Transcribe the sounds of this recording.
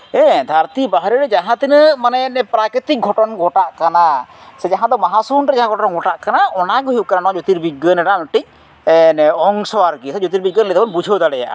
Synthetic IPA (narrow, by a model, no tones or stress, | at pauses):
ɛ̃d̪ʱaɾt̪ibaɦɾiɾɛd͡ʒaɦãt̪inmanɛnɛpɾakɾit̪ik̚ɡʱɔʈɔnɡʱɔʈaʔkanasɛd͡ʒaɦãd̪ɔmaɦasunɾɛd͡ʒaɦãɡʱɔʈɔnɡʱɔʈaʔkanaʔɔnaɡuɦjuʔ̚kananɔ̃d͡ʒot̪iɾbiɡːənɛɖamʈic̚ | nɛɔŋsɔwaɾɡisɛd͡ʒot̪̬iɾbiɡːənlɛt̪abɔnbud͡ʒʱəd̪aɽɛja̰ʔ